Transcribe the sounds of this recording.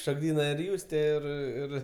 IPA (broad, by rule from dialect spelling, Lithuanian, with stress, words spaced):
ʃoːɡˈdʲiːnɐ ɪr ˈjuːsʲtʲeː ˈɪr ˈɪr